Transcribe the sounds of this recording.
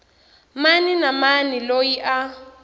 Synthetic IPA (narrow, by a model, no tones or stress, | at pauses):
maninamanilojiʔa